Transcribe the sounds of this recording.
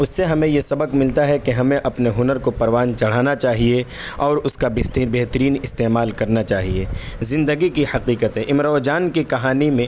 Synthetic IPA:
ʊsːeɦɐmẽjesɐbəqmɪlt̪aɦɛkeɦɐmẽʔɐpneɦʊnəɾkopɐɾʋaːnt͡ʃɐɽ̤aːnat͡ʃaːɦie | ɔːɾʊskabɪt̪beɦt̪əɾiːnɪst̪eːmaːlkɐɾnat͡ʃaːɦiezɪ̃nd̪əɡikihɐqiːqət̪ɦɛʔɪmɾɔːd͡ʒaːnkikɐɦaːnimẽ

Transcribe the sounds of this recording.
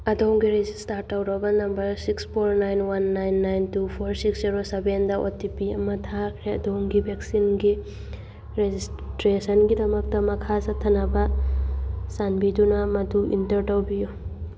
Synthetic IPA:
ɐdowŋɡiɾezistaɾtːɐwɾɐbɐnɐmbɐɾsikspʰoɾnajnwanːajnːajntupʰoɾsiksziɾosebendɐʔotipiɐmɐtʰakʰɾeɐ̰dowŋɡibʱek̚sinɡi | ɾezistɾesɐnɡidɐmɐk̚tɐmɐkʰasɐtʰɐnɐbɐ | sanbidunɐmɐduḭntɐɾtɐwbijo

